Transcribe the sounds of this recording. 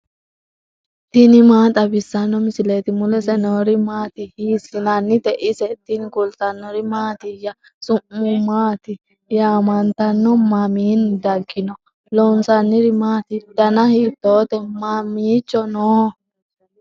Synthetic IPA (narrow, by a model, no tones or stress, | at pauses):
t̪ɪnɪmaːt̪ʼɐbɪsːɐnːɔmɪsɪlet̪ɪmʊlɛsɛnoːɾɪmaːt̪ɪhiːsɪnɐnːɪt̪ɛʔɪsɛt̪ːɪnɪkʊlt̪ɐnːɔɾɪmaːt̪ɪjɐ | sʊʔːʊmaːt̪ɪ | jaːmɐnt̪ɐnːɔmɐmiːnd̪ɐɡːɪnɔ | lɔnsɐnːɪɾɪmaːt̪ɪd̪̥ɐnɐhiːt̪ːoːt̪ɛmamiːt͡ʃːɔnoː